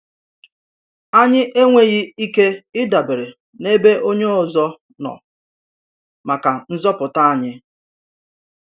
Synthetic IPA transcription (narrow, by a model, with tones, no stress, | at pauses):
a˦ɲɪ˦ʔe˦ŋʷe˦ɣɪ˦i˦ke˦ɪ˦da˨be˨ɾe˨ | ne˦be˦ʔo˦ɲe˦ɔ˨zɔ˦ | nɔ̰˨ | ma˨ka˨n̩˦zɔ˦pʊ˨ta˦a˦˨ɲɪ˦